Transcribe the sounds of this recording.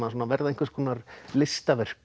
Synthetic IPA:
nasuːnavɛɾðaðeŋkvɪskʰɔːnaɾlɪst̪avɛr̥

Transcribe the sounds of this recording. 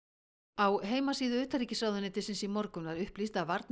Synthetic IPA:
awɦeːjmasiːðʏʏːt̪aɾiːcɪsɾawðʏnɪt̪ʰɪsɪnsimɔɾkʏnvaɾʏhplist̪avaɾt̪̚n

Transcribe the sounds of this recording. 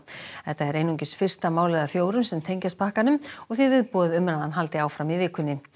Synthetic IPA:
θɛht̪aɛɾeːjnuɲcɪsfɪr̥st̪amaːwlɛðafjoːwɾʏmsɛmt̪ʰejɲcast̪̚pʰahkanʏmɔɣθivɪːðpɔːðɪʏmɾaðanɦalt̪ɪaːwfɾamivɪːkʰʏnːɪ

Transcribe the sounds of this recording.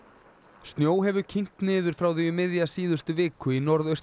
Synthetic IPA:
st̪njoːwɦɛvʏcʰiŋ̥t̪nɪːðʏɾ̥fɾawθijʏmɪðjasiːðʏst̪ʏvɪːkʏinɔɾðœɥst̪

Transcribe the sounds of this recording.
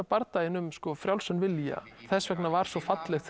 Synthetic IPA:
apaɾt̪ajɪnʏmskɔfɾjawlsanvɪlja̰ | θɛsvɛknavaɾ̥sɔfat̪lɛxt̪

